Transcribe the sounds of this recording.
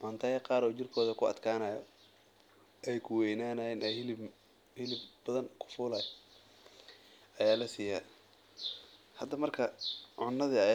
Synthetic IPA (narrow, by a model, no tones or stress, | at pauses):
ʔɐnt̪ʰɐjɐqɑːɾɔːt͡ʃɪrkʰɔːðɐkʰʊɐ̰d̪kʰaːnɐːjɔ | ʔɛjkʰʊwɛjnaːnɐɪnɛjhɪlɪ | hɪlɪbbɐðɐnkʰʊ̥fʊːlɐj | ɐjaːlɐsiːjaː | hɐd̪ːɐmɐrkʰɐʕʊnːɐðiɐ